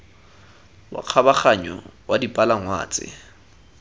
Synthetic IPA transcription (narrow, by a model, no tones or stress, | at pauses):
wa̰q͡χʰabaχaɲɔ̰wadipʼalaŋwa̰ːt͡sʼɪ̰